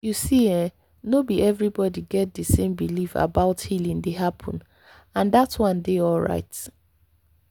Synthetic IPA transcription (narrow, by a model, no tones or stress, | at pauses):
jusiɛ̃ | nobiɛvɹibɔdiɡɛt̚dəsẽmbilifa̰baʊthilĩŋdeɦapʰɔ̰̃n | ãndatwʌ̃ndeɔlɹa̰ɪt